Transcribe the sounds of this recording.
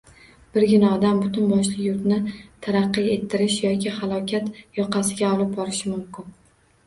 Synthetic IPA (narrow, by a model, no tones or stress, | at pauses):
b̥ɪɾɡʲɪnɒd̪ambʊt̪ʊnbɒʃlˠɪjʊɾt̪nɪt̪ʰaɾaqːɨe̞t̪ʰːɪɾɪʃjɒkʲɪhalˠɒkʲʰat̪jɒqʰɑsɪɡʲaɒlˠɪp̚bɒɾɪʃɪmʊmkʲɪn